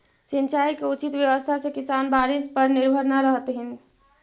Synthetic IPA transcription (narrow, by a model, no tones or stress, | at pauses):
sint͡ʃaːjkeut͡ʃit̪wjəʋəst̪ʰasẽkisaːnbaːɾɪspəɾnɪɾbʱəɾnaɾəɦt̪ɦɪn